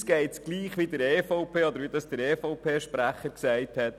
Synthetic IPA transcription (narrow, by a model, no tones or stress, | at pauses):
sɡ̥ɛɪtsɡ̥liːχʋid̪əɾɛːfɔʊpʰeːɔd̪əɾʋid̪ɑsd̥əɾɛːfɔʊpʰeːʃpɾæχəɾksɛɪthɛt̪